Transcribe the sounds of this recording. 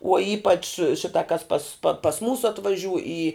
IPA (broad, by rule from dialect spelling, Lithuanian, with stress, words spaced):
uɔ ˈiːpɐt͡ʃ ˈʃʲɪtɐ kɐs pɐs pɐ pɐs ˈmuːsʊ ɐtʋɐˈʒʲuːj iː